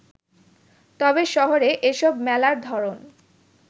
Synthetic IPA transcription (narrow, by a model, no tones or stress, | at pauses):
t̪ɔbeʃɔɦoɾeʔeʃɔbmɛlaɾd̪ʱɔɾon